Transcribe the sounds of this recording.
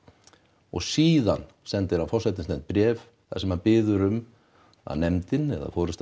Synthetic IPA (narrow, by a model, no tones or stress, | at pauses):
ɔ̰ɣsiːðan | sɛnt̪ɪɾafɔrsɛt̪ɪnsnɛnt̪pɾjɛːv | θasɛmhaðpɪːðʏɾʏm | a̰nɛmt̪ɪnɛ̰ða̰foːwɾɪst̪